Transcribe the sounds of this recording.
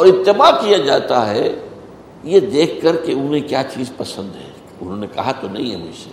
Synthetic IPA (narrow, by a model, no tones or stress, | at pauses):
ɔːɾɪt̪ːɪbakijad͡ʒaːt̪aɦɛ | jed̪eːkʰkɐɾkeʊnɦẽkjaːt͡ʃiːzpɐsə̃nd̪ɦɛ̰̃ː | ʊnɦõːnekɐɦat̪onɐ̰ɦĩɦɛ̰mʊd͡ʒsḛ